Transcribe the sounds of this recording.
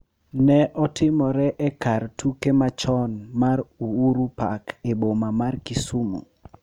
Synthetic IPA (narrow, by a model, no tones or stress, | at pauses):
nɛʔɔtɪmɔɾɛʔɛkartʰukemat͡ʃɔnmaɾuuɾupa̰kebomamarkisumṵ